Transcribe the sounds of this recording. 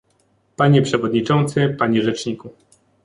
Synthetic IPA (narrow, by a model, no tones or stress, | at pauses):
paɲɛpʂɛvɔd̪ɲit͡ʂɔnt̪sɘpaɲɛʐɛt͡ʂɲiku